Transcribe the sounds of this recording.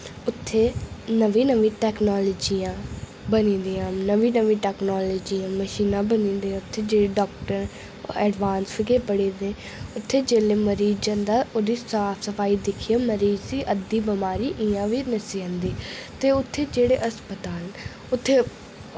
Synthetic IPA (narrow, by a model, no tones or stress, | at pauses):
ʊt̪ʰːeːnəʋĩːnəʋĩːʈɛːknoːləːd͡ʒiːãː | bənĩːnd̪iːãːnəʋĩːnəʋĩːʈɛːknoːloːd͡ʒiːãːməʃiːnãːbənĩːnd̪iːãːʊt̪ʰːeːd͡ʒeːɽeːɖɔːk̚ʈəɾ | ɛːɖʋaːnsfʰɪkeːpəɽiːd̪ẽː | ʊt̪ʰːeːd͡ʒeːleːməɾiːd͡ʒə̃nd̪aːʔoːd̪iːsaːpʰsəpʰaːiːd̪ɪkʰiːaːməɾiːzd̪iːʔəd̪iːbəmaːɾiːʔiːãːʋiːnəsiːɦə̃nd̪iːt̪eːʊt̪ʰːeːd͡ʒeːɽeːʔəspət̪aːl | ʊt̪ʰːeː